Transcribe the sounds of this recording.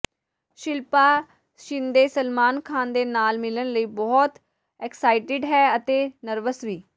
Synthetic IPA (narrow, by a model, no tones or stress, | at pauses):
ʃɪlpaː | ʃɪnd̪eːsəlmaːnkʰaːnd̪eːnaːlmɪlənləiːbɔːt̪ | ɛksaːɪʈɪɖɦɛːət̪eːnəɾʋəsʋiː